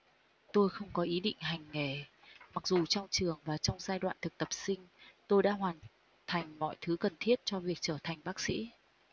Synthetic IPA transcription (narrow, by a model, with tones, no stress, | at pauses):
t̪o˧jxə˧wŋ͡mkɔ˨˦ʔi˨˦ɗḭ̈˧˨ŋ̟ɦa˨˩jŋ̟ŋe˧˩ | ma˨˩k̚zu˨˩t͡ɕɔ˧wŋ͡mt͡ɕɨ˨˩əŋvaː˨˩t͡ɕɔ˧wŋ͡mzaː˧jɗwa̰ː˧˨t̪ʰɨ˨˩k̚t̪ə˨˩p̚sï˧ŋ̟t̪o˧jɗa̰ː˧˥ɦwaː˨˩n | t̪ʰa˨˩jŋ̟mɔ̰˧˨jt̪ʰɨ˨˦kə˨˩nt̪ʰi˦˥ət̚t͡ɕɔ˧vi˨˩ək̚t͡ɕəː˧˩t̪ʰa˨˩jŋ̟ɓaː˦˥k̚sḭ˧˥